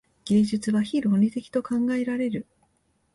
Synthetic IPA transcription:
ɡ̥e̞ːʑɨt͡sɨβaçiɾo̞nʲit̪e̞kʲi̥t̪o̞kãŋɡae̞ɾaɾe̞ɾɯ̟

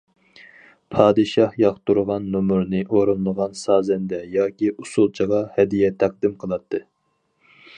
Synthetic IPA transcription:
pʰɑːd̪ɨʃɑhjɑχt̪uɾʁɑnːomuɾnɨʔoɾunːˠəʁɑnsɑːzɛnd̪ɛjɑːkʲiʔusulˠt͡ʃʰəʁɑhɛd̪ijɛt̪ʰæq̚d̪ɪmqʰəlˠɑt̪ʰːɨ

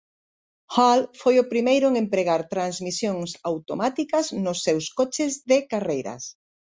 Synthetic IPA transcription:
halfojʊpɾimejɾʊeŋempɾeɣaɾt̪ɾanzmisjoŋsawt̪omat̪ikɐznʊsːewskot͡ʃɪzðɪkarejɾɐ̰s

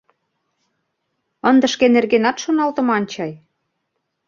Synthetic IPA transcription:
ɤnd̪ə̆ʃkenerɣenɑt̪ʃonɑlt̪ə̆mɑnʲt͡ɕɑj

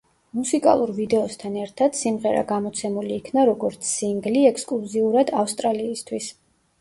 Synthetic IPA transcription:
musikʼa̰lˠuɾvid̪ɛɔst̪ʰanɛɾt̪ʰad̪̥simʁɛɾa̰ɡamɔt̪sʰɛmuliːkʰnaɾɔɡɔɾt̪sʰsiŋɡliɛkʰskʼluziuɾad̪afst̪ʼɾaliːst̪ʰwis

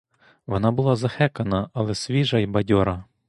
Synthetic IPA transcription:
ʋɔnɑbʊlˠɑzɐxɛkɐnɐɐlˠɛsʲʋʲiʒɐjbɐdʲɔɾɐ

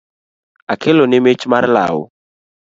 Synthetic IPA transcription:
akʰelɔnɪmet͡ʃmarla̰wʊ̰

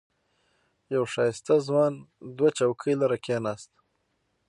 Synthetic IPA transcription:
jawʂɑːjɪst̪azwɑnd̪wat͡ʃawkʰəjlaɾakʰenɑːst̪

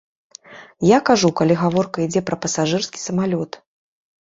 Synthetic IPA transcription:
jakaʐukalʲiɣavɔrkɐid͡zʲɛpɾɐpɐsaʐɨrskʲi̥sɐmalʲɔt̪

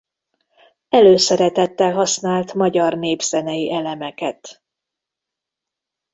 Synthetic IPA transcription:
ɛløːsɛɾɛt̪ɛt̪ːɛlɦɒsnaːlt̪mɒɟɒrneːbz̥ɛnɛjiʔɛlɛmɛkɛt̪

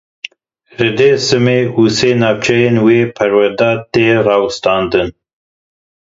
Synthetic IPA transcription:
rɨd̪eːsɨmeːuːseːnɑːwt͡ʃʰɛjeːnweːpʰɛɾwɛɾd̪aːt̪eːrɑːwɨst̪ɑːnd̪ɨn

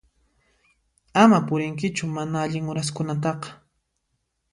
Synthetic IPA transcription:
amapʊɾɪŋk̬ɪt͡ʃʊmanaaʎɪŋʊɾaskʊnat̪̬ɑqɑ̥

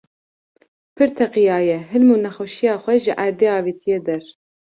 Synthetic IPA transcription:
pʰɨɾt̪ʰɛqijɑːjɛɦɨlmunɛxɛʃijɑːxʷɛʒɨʔæɾd̪eːɑːviːt̪ʰijed̪ɛɾ

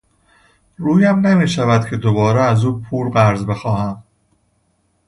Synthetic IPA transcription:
ɾuːjæmnemiːʃævæd̪̥̚cʰe̞d̪o̞bɒːɾeæzuːpʰuːɾɢæɾzbe̞xɒːhæm

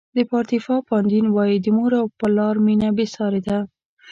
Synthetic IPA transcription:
d̪əpɑɾt̪ifɑpɑnd̪inwɑjid̪əmuɾawpəlɑɾminabesɑɾed̪a

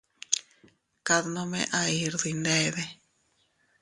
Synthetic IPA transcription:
kaðnõmḛ̃ʔaiɾðind̪eðe

